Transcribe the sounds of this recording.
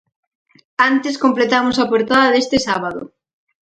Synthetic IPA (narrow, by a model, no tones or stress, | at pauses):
ant̪ɪskomplet̪amʊsapoɾt̪aðaðest̪ɪsaβ̞aðʊ̰